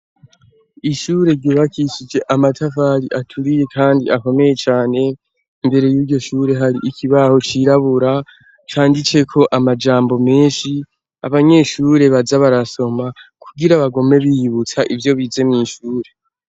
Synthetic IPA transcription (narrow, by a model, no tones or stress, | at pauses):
iʃuɾe̞ɾɟoːβakiʃid͡ʒe̞ʔamatʰafaɾiʔatʰuɾije̞kaːndḭako̞me̞je̞t͡ʃaːne̞ | imbe̞ɾe̞juːɾɟo̞ʃuɾe̞ɦaɾiʔikʰiβaho̞t͡ʃiːɾaβuɾa | t͡ʃaːndit͡se̞kʰo̞ʔamad͡ʒaːmbo̞me̞ːnʃi | a̰βaɲe̞ʃuːɾe̞βazaβaɾaso̞makʰuɡiɾaβaɡo̞me̞βihiβut͡saʔivjo̞βiːze̞mŋiːʃuːɾe̞